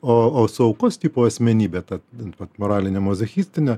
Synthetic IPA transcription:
oːoːsʊɐʊkoːst̪ʲiːpoːɐsʲmʲɛnʲiːbʲeːt̪ɐʋɐt̪moːɾɑːlʲɪnʲɛmozʲɐxʲiːsʲt̪ʲɪnʲɛ

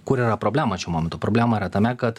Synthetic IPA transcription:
kʊɾiːɾɐpɾoːbʲlʲæːmɐt͡ʃʲuːmoːmʲɛnt̪ʊːpɾoːbʲlʲæːmɐiɾɐt̪ɐmʲɛkɐt̪

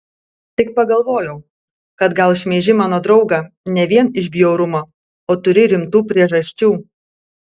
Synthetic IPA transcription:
t̪ʲɪk̚pɐɡɐlˠʋoːjɛʊ | kɐt̪ɡɐlˠʃʲmʲeːʒʲɪmɑːnoːd̪ɾɒʊɡɑnʲɛʋʲiɛnɪʃʲbʲjoʊɾʊmoː | oːt̪ʊɾʲɪɾʲɪmt̪uːpʲɾʲiɛʒɐsʲt͡ʃʲuː

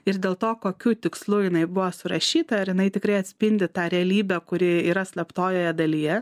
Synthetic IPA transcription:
ɪɾd̪ʲeːlˠt̪oːkoːkʲuːt̪ʲɪkslˠuːjɪnɐɪbʊʋoːsʊɾɐʃʲiːt̪ɐɐɾjɪnɐɪt̪ʲɪkɾɐɪɐt̪ʲsʲpʲɪnʲd̪ʲɪt̪ɑːɾʲɛɐlʲiːbʲɛkʊɾʲɪiːɾɐsʲlʲɛpt̪oːjoːjɛd̪ɐlʲijɛ

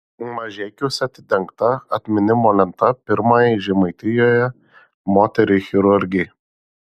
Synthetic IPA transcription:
mɐʒʲeːkʲuʊsʲɛt̪ʲɪd̪ʲɛŋkt̪ɐɐt̪ʲmʲɪnʲɪmoːlʲɛnt̪ɐpʲɪɾmɑːjɪʒʲɪmɐɪt̪ʲɪjoːjɛ | moːt̪ʲɛɾʲɪxʲɪɾʊɾʲɡʲɪj

